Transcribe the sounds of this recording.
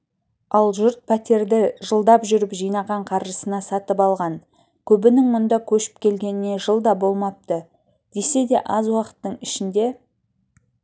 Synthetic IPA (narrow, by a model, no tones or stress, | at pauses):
ɑlˠʒʊɾt̪̚pʰæt̪e̞ɾd̪ɪʒəlˠd̪ɑpʒʏɾɪpʒijnɑʁɑɴqʰɑɾʒəsənɑsɑt̪əpɑlˠʁɑn | kʲʰɵbɪnɪŋmʊnd̪ɑkʲʰɵʃɪ̥p̚kʲʰe̞lɡʲe̞nɪne̞ʒəlˠd̪ɑbo̞lˠmɑp̚t̪ə | d̪̥e̞se̞d̪e̞ʔɑzwɑqə̥t̪ːəɴɪʃɪnd̪e̞